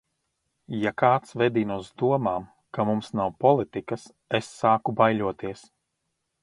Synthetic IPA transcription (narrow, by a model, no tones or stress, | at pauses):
jakaːt̪svɛd̪iːnusd̪uɔmaːm | kamumsnawpɔlˠit̪ikɐs | esːaːkubajluɔt̪iɛs